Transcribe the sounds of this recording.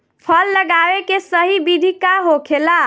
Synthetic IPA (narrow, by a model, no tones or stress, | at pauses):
pʰəlːəɡawekesəɦibid̪ʱikaɦokʰela